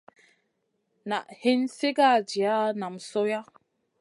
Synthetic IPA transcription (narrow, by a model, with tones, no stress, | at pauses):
na˨ʔhe˦nse˦ɡa˦˨d͡ʒi˨a˦na˨msɔ˦ja˦